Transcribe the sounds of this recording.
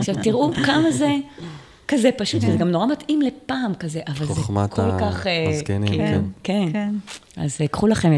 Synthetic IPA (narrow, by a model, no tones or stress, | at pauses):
aχʃavt̪iʁʔukamaze̞ | kazepaʃut̪vezeɡamnoʁamat̪imle̞paːmkaze̞ʔavalzekolkaχekenkiken | a̰zkχulaχeme